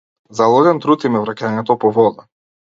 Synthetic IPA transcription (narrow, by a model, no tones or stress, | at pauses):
zalˠɔɡɛnt̪ɾut̪imɛvɾacaɲɛt̪ɔpɔvɔd̪a